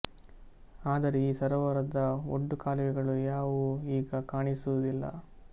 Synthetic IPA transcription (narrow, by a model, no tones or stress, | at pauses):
aːd̪ɐɾeiːsɐɾɐʋɐɾɐd̪ɐo̰ɖːukaːlɐʋɛɡɐɭujaːʋuiːɡɐkaːɳisuud̪ilːɐ̰